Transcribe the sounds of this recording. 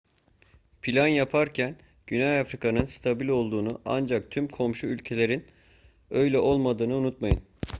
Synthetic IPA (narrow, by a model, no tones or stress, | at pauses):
pʰilʲanjapʰaɾcʰæn | ɟ̥ynɛjafɾikʰanɯnst̪ʰabilʲo̞lˠd̪uːnuʔa̰nd͡ʒak̚t̪ʰymkʰo̞mʃuylʲcʰe̞lʲe̞ɾin | ø̞jlʲɛʔo̞lˠmad̪ɯːnɯunut̪̚majɯn